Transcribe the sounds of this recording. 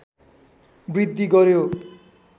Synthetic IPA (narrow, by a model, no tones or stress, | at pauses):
bɾid̪ʱːiɡʌɾjo